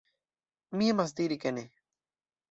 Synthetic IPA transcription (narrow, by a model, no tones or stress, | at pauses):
miamas̬d̪iɾikane